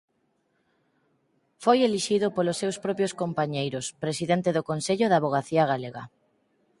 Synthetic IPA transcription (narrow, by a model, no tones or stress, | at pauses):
fojeliʃiðʊpolosːewspɾɔpjoskompaɲejɾʊspɾesiðent̪eðokonseʎʊðaβoɣ̞aθiaɣ̞aleɣa